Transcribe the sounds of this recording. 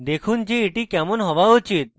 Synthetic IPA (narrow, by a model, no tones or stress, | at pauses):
d̪ekʰuːnd͡ʑiːʈikɛmɔnɦɔʋaut͡ɕit̪̚